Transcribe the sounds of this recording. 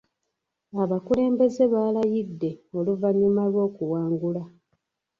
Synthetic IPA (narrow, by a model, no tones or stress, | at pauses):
aβakule̞ːmbe̞ze̞βaːlajidːe̞o̞luvaɲːumalwo̞ːkuwaːŋɡula